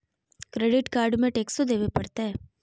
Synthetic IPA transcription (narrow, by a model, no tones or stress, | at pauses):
kɾeːɖɪʈkaːɾɖmẽʈeːksod̪eːʋepɐɽt̪eɦɛː